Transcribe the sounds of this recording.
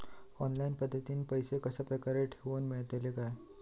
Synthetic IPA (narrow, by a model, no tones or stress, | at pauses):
ɔnlainpəd̪ʱːət̪iːnipəjsekəsapɾəkaɾeʈʰeʋənmiɭt̪elekaj